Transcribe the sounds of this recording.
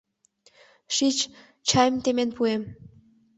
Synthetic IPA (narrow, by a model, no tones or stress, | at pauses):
ʃit͡ɕ | t͡ɕɑjmt̪emenpuem